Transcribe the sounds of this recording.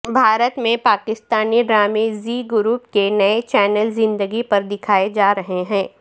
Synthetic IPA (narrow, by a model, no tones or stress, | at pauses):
bʱaːɾət̪mẽpaːkɪst̪aːniɖɾaːmeːziɡʊɾuːpkenɐet͡ʃɛːnəlzɪ̃nd̪əɡipɐɾd̪ɪkʰaːed͡ʒaːɾɐɦeɦɛ̃ː